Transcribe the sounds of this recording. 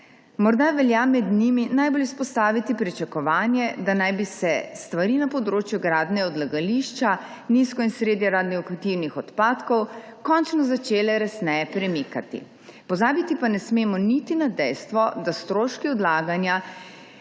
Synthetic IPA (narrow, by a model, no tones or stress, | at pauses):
mɔɾd̪aʋɛljamɛd̪niminajbolispɔst̪aːʋit̪ipɾit͡ʃakɔʋaːnjɛd̪anajbisɛst̪ʋaɾinapɔd̪ɾoːt͡ʃjuɡɾaːd̪nɛɡɔd̪laɡaliʃt͡ʃa | niskɔinsɾeːd̪jɛɾaːd̪nɔkut̪iwnixɔt̪paːt̪kɔw | kɔnt͡ʃnɔzat͡ʃeːlɛɾɛsnɛjɛpɾɛmikat̪ḭ | pɔzaːbit̪ipanɛsmeːmɔnit̪inad̪ɛjst̪ʋɔd̪ast̪ɾoːʃkiɔd̪laːɡanja